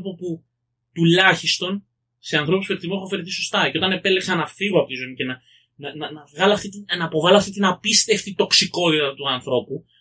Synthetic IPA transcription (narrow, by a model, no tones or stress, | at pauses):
opopu | t̪ulɐçist̪o̞n | se̞ɐnθɾo̞puspet̪imunfeɾθiso̞st̪ɐce̞o̞t̪ɐne̞pele̞ksɐnɐfiɣoɐpo̞t̪izo̞nice̞nɐ | nɐnɐnɐvɣɐloɐft̪it̪inɐpo̞vɐloɐft̪it̪inɐpist̪e̞ft̪it̪o̞ksiko̞it̪ɐt̪uɐnθɾo̞pu